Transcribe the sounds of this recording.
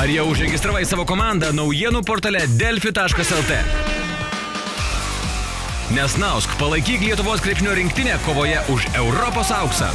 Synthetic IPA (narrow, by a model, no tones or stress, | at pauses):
ɐɾjiɛʊʒɾʲɛɡʲɪst̪ɾɐːʋɐɪsɑːʋoːkoːmɑˑnd̪ɐnɔʊjiɛnuːpoːɾt̪ɐlʲɛd̪ʲɛlʲfʲɪt̪ɑːʃkɐsɛlˠt̪ɛ̰ | nʲɛsnɑʊskpɐlˠɐɪkʲiːklʲiɛt̪ʊʋoːskɾʲɛpʲʃʲɪnʲuːɾʲɪŋʲkt̪ʲɪnʲeːkoːʋoːjɛʔʊʃɛʊɾɔpoːsɐʊksɐ̰